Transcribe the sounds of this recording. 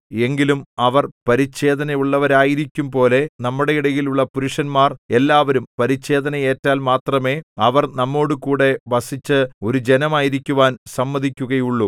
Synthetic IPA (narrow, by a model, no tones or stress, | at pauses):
e̞ŋɡilumɐʋɐrpɐɾit͡ɕːe̞ːd̪ɐnɐjuɭːɐʋɐɾaːjiɾikʲːumpo̞ːle̞nɐmːuɽe̞jiɽɐjiluɭːɐpuɾuʂɐnmaːre̞lːaːʋɐɾumpɐɾit͡ɕːe̞ːd̪ɐnɐje̞ːtːaːlmaːt̪rɐme̞ːɐʋɐrnɐmːo̞ːɽɨkuːɽe̞ʋɐsit͡ɕːɨo̞ɾud͡ʑe̞nɐmaːjiɾikʲːuʋaːnsɐmːɐðʱikʲːuɣɐjuɭːu